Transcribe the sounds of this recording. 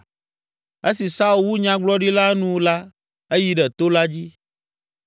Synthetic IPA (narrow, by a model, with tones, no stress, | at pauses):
e˦si˨sa˦u˨wu˦ɲã˨ɡ͡blɔ˦ɖi˦la˦nũ˦la˦ | e˦ji˨ɖɛ˨t̪o˦la˦d͡ʑi˦